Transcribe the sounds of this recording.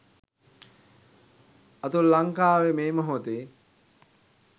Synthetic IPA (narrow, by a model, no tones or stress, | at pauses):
ɐt̪ulːaŋkaːʋemeːməɦot̪e